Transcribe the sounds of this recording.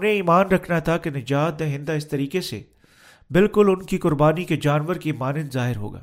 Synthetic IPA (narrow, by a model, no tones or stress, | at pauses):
ʊnẽiːmaːnɾɐkʰnat̪ʰakenɪd͡ʒaːt̪̚d̪ẽɦɪ̃nd̪aɪst̪ɐɾiːkesḛ | bɪlkʊlʊnkikʊɾbaːniked͡ʒaːnʋəɾkiːmaːnɪnzaːɦɪɾɦo̰ːɡa̰ː